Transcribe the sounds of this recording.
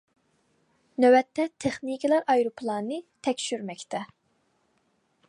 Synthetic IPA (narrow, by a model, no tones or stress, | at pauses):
nøwɛt̪ʰːɛt̪ʰeχnikʲʰilˠɑɾɑjɾopʰlˠɑːnɨt̪ʰɛkʲʃyɾmɛkʲt̪ʰɛ